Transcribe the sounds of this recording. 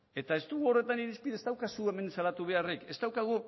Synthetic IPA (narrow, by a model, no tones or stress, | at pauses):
e̞t̪ae̞st̪uɣuo̞re̞t̪aniɾispiðest̪awkasue̞me̞nsalat̪uβe̞areke̞st̪awkaɣ̞u